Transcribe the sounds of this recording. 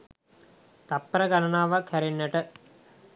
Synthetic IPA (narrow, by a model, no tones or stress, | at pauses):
t̪ɐpːɐɾɐɡɐnɐnaːʋɐkʰɛɾinːɐʈə